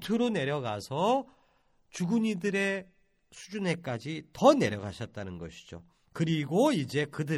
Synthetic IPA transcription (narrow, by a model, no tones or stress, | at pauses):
tʰɯɾone̞ɾjʌɡasʰʌ | t͡ɕuɡuɲidɯɾe̞ | sʰud͡ʑune̞k͈ad͡ʑitʌne̞ɾjʌɡaɕʰʌt̚t͈anɯnɡʌɕʰi̥d͡ʑo̰ | kɯɾiɡoid͡ʑe̞kɯdɯ